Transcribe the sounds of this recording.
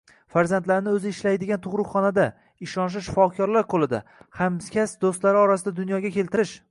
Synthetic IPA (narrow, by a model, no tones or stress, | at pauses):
faɾzant̪laɾnɪɵzɪɪʃlajd̪ɪɡʲant̪ʰʊʁɾʊqχːɒnad̪a | ɪʃɒnʃ̬ɪʃɪ̥fɒkʲʰɒɾlaɾqʰolˠɪd̪a̰hamskʲʰasd̪ost̪laɾɪɒɾasɪd̪ad̪ʊnjɒɡʲakʲe̞lt̪ɪɾɪʃ